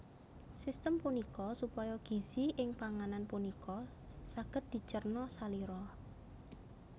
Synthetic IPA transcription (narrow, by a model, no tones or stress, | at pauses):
sist̪əmpunikɔsupɔjɔɡ̥i̤ziʔɪŋpaŋananpunikɔ | saɡ̥ə̤t̪̚d̪̥i̤t͡ʃərnɔsaliɾɔ